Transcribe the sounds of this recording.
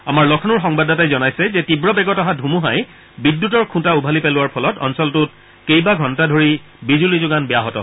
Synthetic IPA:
amaɹlɔkʰɔnʊɹxɔŋbadatajzɔnajsɛzɛtibɹɔbɛɡɔtɔɦadʱumuɦaj | bidːutɔɹkʰũtaubʱalipɛlʊwaɹpʰɔlɔtɔ̰nsɔltʊt̚ | kejbaɡʱɔntadʱoɹi | bizulizʊɡanbɛjaɦɔtɔ̰

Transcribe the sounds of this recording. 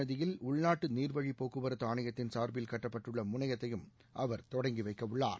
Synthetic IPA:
ɐðɪjɪlʊɭnaːʈːɯniːɾʋɐɻipoːkɯʋɐɾɐt̪ːaːnɐjɐt̪ːɪnsaːɾbɪlkɐʈːɐpːɐʈːɯɭːɐmʊnɐɣɐt̪ːɐjɯm | ʔɐʋɐɾt̪ɔɽɐŋɡiʋɐɪkːɐʋʊɭːa̰ːɾ

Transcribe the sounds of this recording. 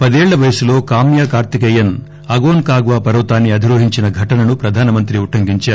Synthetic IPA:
pɐd̪eːɭːɐʋɐjɐsulo̞ːkaːmjaːkaːɾt̪ikɐjɐn | ɐɡoːnkaːɡʋaːpɐɾɐwt̪aːnːiɐd̪ʱiɾoːɦiɲt͡ʃinɐɡʱɐʈɐnɐnupɾɐd̪ʱaːnɐmɐnt̪ɾiuʈːɐŋɡiɲt͡ʃaː

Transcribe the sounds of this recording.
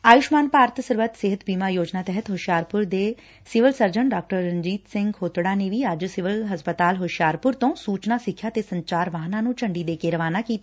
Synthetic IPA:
aːjʊʃmaːnpaːɾət̪səɾʋət̪sɪɦət̪biːmaːjoːd͡ʒnaːt̪ɛɦət̪ɦʊʃjaːɾpʊɾd̪eː | sɪʋəlsəɾd͡ʒəɳɖaːk̚ʈəɾːənd͡ʒiːt̪sɪŋɡhoːt̪ɽaːneːʋiːəd͡ʒsɪʋəlɦəspət̪aːlɦʊʃjaːɾpʊɾt̪õːsuːt͡ʃnaːsɪkʰːjaːt̪eːsəɲt͡ʃaːɾʋaːɦnaːnũːt͡ʃəɳɖiːd̪eːkeːɾəʋaːnaːkiːt̪a

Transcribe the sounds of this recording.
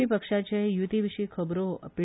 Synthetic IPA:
ipəkʃat͡ʃʰejut̪iʋiʃikʰəbɾoə̰pi

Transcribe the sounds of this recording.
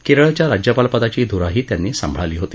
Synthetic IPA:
keɾɭt͡ɕjaɾad͡ʑjəpalpəd̪at͡ɕiːd̪ʱuɾaɦiːt̪janːiːsə̰mbʱɭaliːɦot̪i̥ː

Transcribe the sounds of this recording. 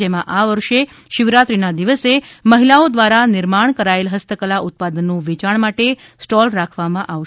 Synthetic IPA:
emãʔaʋəɾʃe | ʃɪʋɾat̪ɾinad̪iʋəseməɦilaod̪ʋaɾanɪɾmaɳkəɾaelɦəst̪əkəlaʔʊt̪̚pad̪ənːũʋit͡ʃaɳmaʈesʈɔlɾakʰʋamãʔaʋ

